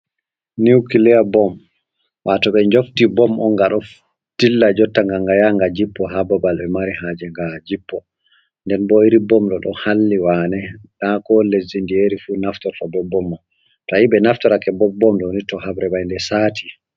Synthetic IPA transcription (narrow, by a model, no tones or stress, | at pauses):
niwkilɛjabɔm | wʔatɔɓɛɲd͡ʒoftibɔmʔɔ̰ŋɡaɗɔf | tilːad͡ʒɔtːaŋɡaŋɡajaŋɡad͡ʒipːɔɦababalbɛmaɾihad͡ʒɛŋɡad͡ʒipːɔ | ndɛnbɔiɾibɔmɗɔɗɔ̰halːiwanɛɗakɔlezindieɾifunaftɔɾtɔbɔbːɔmːɔ | tɔiɓɛnaftɔɾakɛbɔbɔmɗɔnitɔhabɾɛbajndɛsaːtʰi̥